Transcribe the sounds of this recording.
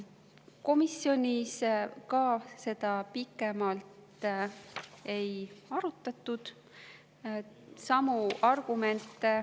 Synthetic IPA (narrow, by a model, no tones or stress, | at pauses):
ko̞misjo̞nʲiskɑse̞d̪̥ɑpikːˑe̞mɑlt̪ | e̞jɑɾut̪ːˑɑt̪ːˑud̪̥ | sɑmuʔɑrɡ̥ume̞nt̪ːˑe